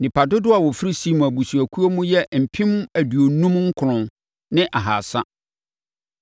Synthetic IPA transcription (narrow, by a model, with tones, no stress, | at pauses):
nɪ̃˨pa˨dʊ˦dʊ˦a˨wɔ˨fɪ˦ɾi˦si˦m̃˨æ˨bu˨su˨æ˨kʰu˦o˦mũ˦jɛ˦m̩˨pʰĩ˦m˦æ˨du˨o˨nũ˦mŋ̩˦kʰʊ˨ɾʊ̃˨n | nɪ̃˦ʔa˨ɦa̰˨sa˦